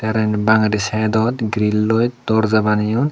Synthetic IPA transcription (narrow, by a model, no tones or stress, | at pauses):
t̪aɾanbaŋɾisad̪ɔt̪ɡɾilːɔjt̪d̪ɔɾzabanijun